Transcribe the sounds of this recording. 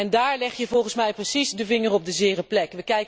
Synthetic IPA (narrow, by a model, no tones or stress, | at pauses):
ɛndaːɹlɛχjəvɔlˠχənsmɛjprəsizdəvɪŋərɔb̚dəzɪːrəplɛkʋəkɛjk